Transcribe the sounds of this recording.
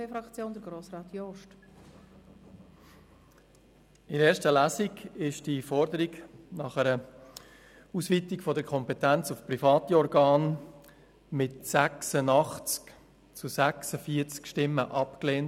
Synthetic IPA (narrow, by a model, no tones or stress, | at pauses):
eːfɾɑkt͡sjoːnd̪əɾɡɾoːsɾɑːt̪jɔʃt | ɪɾeːɾʃtəlæːsiɡɪʃd̥ifɔɾdəɾiɡnɑχəɾə | uːsʋitikfɔdəɾkʰɔmpɛtænt͡sufpɾifɑːt̪iɔɾɡɑːn | mɪtsæksənɑχt͡sk | t͡susæksəfiəɾt͡skʃtɪmːəʔɑpkleːnt